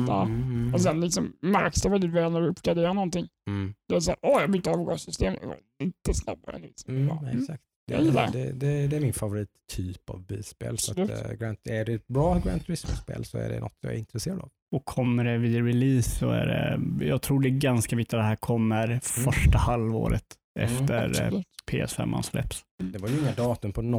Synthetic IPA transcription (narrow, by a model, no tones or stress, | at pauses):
ɑɔs̬ɛnlɪksɔmmæɾksd̪ɛvɛld̪ɪt̪vɛːlnæɖɵɵpːɡɾad̪eːɾanɔnt̪ɪŋː | d̪̥ɛas̬a̰ːɾʔɔjɑbʏt̪əɑːvɡɑ̰ːɡsʏst̪eːm̰ | ɪnt̪ːəsna̰bːɾa̰nt̪ɾɪsɛ̰ksak̚t̪d̪j̰a̰jɪlːa̰dɛ̰d̪ɛd̪ɛd̪ɛæɾmɪnfavʊɾiːt̪ʰːyːpa̰vbiːspḛːlslʉɡɾænt̪æɖɛɛt̪̚bɾɑːɡɾænt̪ɾɪsmɛspḛːlsɔæ̰ɖɛ̰nɔ̰t̪ːjjɑ̰ːɛɾɪnt̪ɾɛseːɾad̪ɑ̰v | ɔkʰːɔmːəɖɛvɪd̪ɾɪliːsɔæ̰ɖɛ̰jɑːɡt̪ʰɾuːɖɛɡanskavɪkt̪ad̪ɛɦæːɾkʰɔmːəɾfœʂʈahalvo̰ːɾə̰t̪ | ɛ̰fft̪əɾpʰeːɛsɛ̰mːʔa̰nslɛ̰psd̪ɛvaɾjɵɪŋːad̪ɑːt̪ɵmpʰɔnɔ